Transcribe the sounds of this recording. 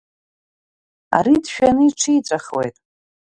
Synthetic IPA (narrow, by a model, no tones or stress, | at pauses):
a̰ɾidʃᶣanɨiʈ͡ʂʰijt͡sʷʼaχlḛjtʼ